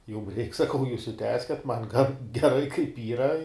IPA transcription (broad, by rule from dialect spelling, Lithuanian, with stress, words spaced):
jʊm rʲɛɪk sɐˈkɐʊ juːs ɪ ˈtʲæːsʲkʲɛt mɐn ɡɐn ɡʲɛˈrɐɪ kɐɪp ˈiːrɐ